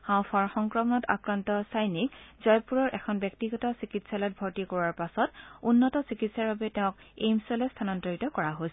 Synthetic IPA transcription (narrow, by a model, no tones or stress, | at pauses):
hãw̃pʰaɹxɔŋkɹɔmɔnɔta̰kɹantɔsajnik̚zɔjpuɹɔɹʔɛkʰɔnbɛk̚tiɡɔtasikitsalɔt̚bʱɔɹtikoɹaɹpasɔtunːɔtɔsikitsaɹbabɛtɛʊ̃kḛjmsɔlɔstʰanɔndoɹitɔkɔɹaɦojs